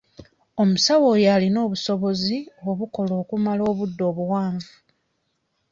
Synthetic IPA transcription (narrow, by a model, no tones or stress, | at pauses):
o̞musawo̞ːjalino̞ːβuso̞βo̞zio̞βuko̞lo̞ːkumalo̞ːβudːo̞ːβuwaːɱvu